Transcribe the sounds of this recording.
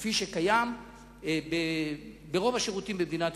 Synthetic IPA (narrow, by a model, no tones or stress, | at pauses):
fiʃekajam | be | beʁo̞vaʃeʁut̪imbemd̪inat̪